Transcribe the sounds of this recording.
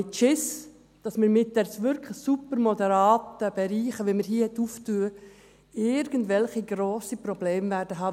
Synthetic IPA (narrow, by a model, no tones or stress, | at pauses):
ɪt͡ʃɪs | d̥ɑsmɪɾmɪt̚d̥ɛɾsʋʏɾkʰləsupəɾmod̪əɾɑːtəb̥ɛɾiːχəʋiməɾhiːhɛt̪ːuːftuːə | ɪɾɡəndʋɛlχiɡɾoːsipɾɔbleːmvæːɾdəɦɑː